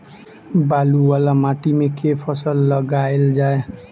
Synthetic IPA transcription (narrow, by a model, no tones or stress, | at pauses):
baluwalamaʈimekepʰʌsəlːəɡaeld͡ʒae